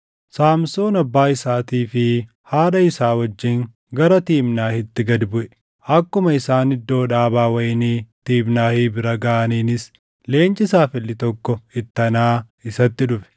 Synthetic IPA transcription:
saːmsoːnɐbːaːɪsaːt̪iːfɪ | haːᶑɐɪsaːwɐd͡ʒːɪŋ | ɡɐɾɐt̪iːmnaːhɪt̪ːɪɡɐd̪bʊʔɛ̥ | ɐkːʊmɐɪsaːnɪd̪ːo̞ːᶑaːbaːwɐjniːt̪iːbnaːhiːbɪɾɐɡaːɐniːnɪs | le̞ːnt͡ʃʼɪsaːfɪlːɪt̪ɔkːɔɪt̪ːɐnaː | ɪsɐt̪ːɪᶑʊfɛ̥

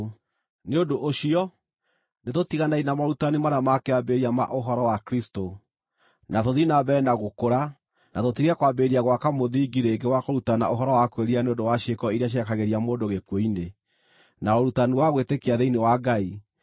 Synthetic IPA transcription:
neondoʔoʃiɔ | netotiɣanainamaɾutanimaɾamakeabeɾiama̰ʔoɦɔɾɔwakɾisto | natoðinaβɛːnaɣokoɾa | natotiɾakwabeɾiaɣwakamoðiːɡiɾeɡewakoɾutana̰ʔoɦɔɾɔwakweɾianeondowaʃekɔiɾiaʃ̬ɛkaɣeɾiamoːndoɣekwoine | naoɾutaniwaɣwetekeaðeinewaɡai

